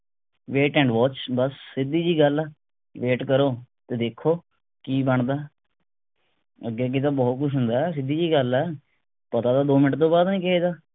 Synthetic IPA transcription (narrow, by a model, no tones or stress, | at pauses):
ʋeːʈɛ̃ːɳɖʋɔːt͡ʃbəsːɪd̪iːd͡ʒiːɡəlɛː | ʋeːʈkəɾoːt̪eːd̪eːkʰːoː | kiːbəɳd̪aː | əɡeɡeːt̪aːbɔːt̪̚kʊʃʰɦʊ̃nd̪aːɛs̬ɪd̪iːd͡ʒiːɡəlɛː | pət̪aːd̪aːd̪oːmɪnʈt̪õːbaːd̪nĩːkɛːeːd̪aː